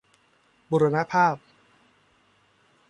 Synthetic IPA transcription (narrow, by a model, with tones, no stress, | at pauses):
buː˧ɾa˧na˦˥pʰaː˥˩p̚